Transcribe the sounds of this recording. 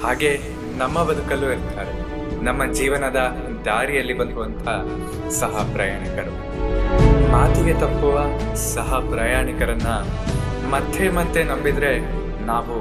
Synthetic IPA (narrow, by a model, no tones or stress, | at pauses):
haːɡe̞ | nɐmːɐbɐd̪ʱukɐlueɾt̪ʰaːɾe | nɐmːɐd͡ʒiːʋɐnɐd̪ɐ | d̪aːɾijɐlːibɐnd̪uʋɐnt̪ʰɐ | sɐɦɐpɾɐjaːɳikɐɾu | maːt̪iɡe̞t̪ɐpːuʋɐsɐɦɐpɾɐjaːɳikɐɾɐnːɐ | mɐt̪ʰːemɐt̪ːenɐmbid̪ɾe̞ | naːʋu